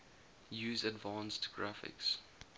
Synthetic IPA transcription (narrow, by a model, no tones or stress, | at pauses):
jʉːzədvɑ̃ːnstʰɡ̥ɹafɪ̰ks